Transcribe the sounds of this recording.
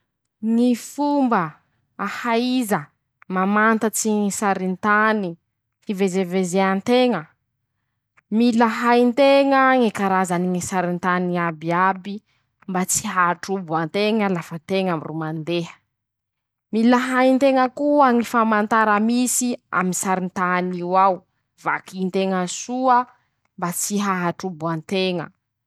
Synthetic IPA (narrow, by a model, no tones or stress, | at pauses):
ŋifumbə | ahaizə | mamant̪ət͡siŋisaɾint̪ani | hivezevezeant̪eŋə | milaɦajnt̪eŋəŋikaɾazaniŋisaɾint̪aniabiabi | mbat͡si̥ɦaaʈ͡ʂubuant̪eŋəlafət̪eŋamirumand̪eɦə̥ | milaɦajnt̪eŋəkuaŋifamant̪aɾəmisia̰minsaɾint̪aniwaw | v̥akint̪eŋəsuə | mbat͡siɦaɦaʈ͡ʂubuant̪eŋə̰